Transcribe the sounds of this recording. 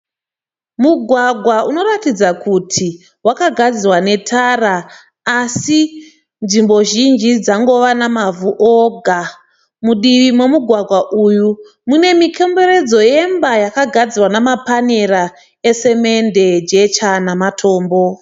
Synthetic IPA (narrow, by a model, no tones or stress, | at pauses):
muɡʱwaɡʱwauno̞ratid͡zakʰutʰi | wakaɡʱad͡zirwane̞tʰaraː | si | nʐimbo̞ʒind͡ʒid͡zaŋɡo̞ʋanamavuʔoɡʱa | muɗiʋimwe̞muɡʱwaɡʱwaʔuju | mune̞mikʰe̞mbe̞ɾe̞d͡zo̞je̞mbajakaɡʱad͡zirwanamapane̞ɾa | e̞se̞me̞nde̞d͡ʒe̞t͡ʃanamatʰo̞ːmbo